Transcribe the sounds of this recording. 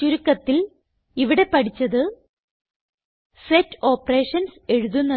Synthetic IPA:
t͡ɕuɾukːɐt̪ːil | iʋiɽe̞pɐʈit͡ɕːɐðɨ | setːo̞ːpːɐre̞ːʂɐnse̞ɻuðunːɐ

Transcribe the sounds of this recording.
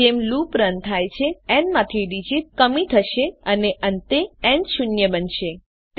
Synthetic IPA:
emlupɾənt̪ʰajt͡ʃʰeɛnmãt̪ʰiɖid͡ʒit̪̚kəmit̪ʰəʃeəneʔənt̪eɛ̃nʃʊnjəbənʃe | t̪

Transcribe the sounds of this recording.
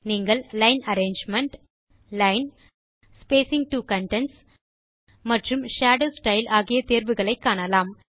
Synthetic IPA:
niːŋɡɐɭlɐɪnɐɾeːnd͡ʒmɐɳʈ | lɐɪn | speːsɪŋɡ̚ʈuːkɐɳʈɛns | mɐʈrɯmʃaːɽoːsʈɐɪlaːɣɪjɐt̪eːɾʋɯɣɐɭɐɪkːaːɳɐlaːm

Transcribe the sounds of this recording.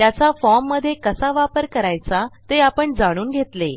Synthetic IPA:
t̪jat͡safɔɾmːəd̪ʱːjekəsaʋapəɾkəɾajt͡sat̪eapəɳd͡zaɽ̃uːnɡʱet̪le

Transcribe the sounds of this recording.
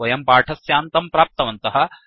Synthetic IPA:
ɐjɐmpaːʈʰɐsjaːnt̪ɐmpɾaːp̚t̪ɐʋɐnt̪ɐɦɐ̆

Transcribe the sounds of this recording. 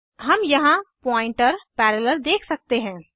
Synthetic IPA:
ɦəmjɐɦãpɔ̃ːɪ̃ɳʈəɾpɛɾələld̪eːkʰsək̚t̪eɦɛ̃ː

